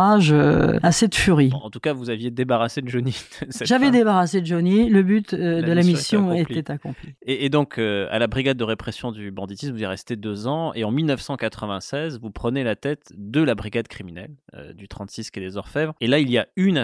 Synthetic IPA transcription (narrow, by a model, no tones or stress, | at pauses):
aʒø̰ased̪əfyʁiɑ̃t̪ukavuzavjed̪ebaʁased̪əʒonit̪sɛʒavɛd̪ebaʁased̪əʒoniləbyt̪d̪əlamisjɔ̃et̪ɛt̪akɔ̃plieːd̪ɔ̃kʰøa̰labʁiɡad̪̚ːəʁepχesjɔ̃d̪ybɑ̃d̪it̪ismvuzɛʁɛst̪ed̪øzɑ̃eɑ̃milnəfsɑ̃kat̪χəvɛ̃sɛzvupχənelat̪ɛt̪d̪əlabʁiɡad̪kχiminɛ̰lø̰d̪yt̪χɑ̃t̪siskʲed̪ezɔʁfɛvʁelailiayn